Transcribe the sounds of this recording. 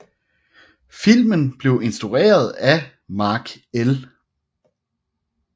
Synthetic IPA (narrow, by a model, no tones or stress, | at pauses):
fil̰mənb̥le̝ʊe̝nsd̥ʁuʁḛːɐð̞ˠæ | mɑ̈ːɡ̥ | el